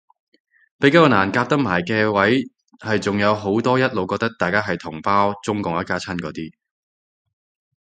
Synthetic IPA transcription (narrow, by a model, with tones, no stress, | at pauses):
pe˨˥kaː˥kɔ˧naː˨˩nkaː˧p̚t̪ɐ˥k̚maː˨˩jkɛː˧wɐ˨˥j | hɐ˨jt͡sʊ˨ŋjɐ˨˧wɦo˨˥wt̪ɔː˥jɐ˥t̚lo˨˧wkɔː˧k̚t̪ɐ˥k̚t̪aː˨jkaː˥ɦɐ˨jt̪ʰʊ˨˩ŋpaː˥wt͡sʊ˥ŋkʊ˨ŋɐ˥kaː˥t͡sʰɐ˥nkɔː˨˧˥t̪iː˥